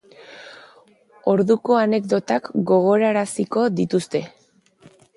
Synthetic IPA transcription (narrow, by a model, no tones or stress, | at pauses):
o̞ɾðuko̞ane̞kd̪o̞t̪akɡo̞ɣ̞o̞ɾaɾasiko̞ðit̪ust̪e̞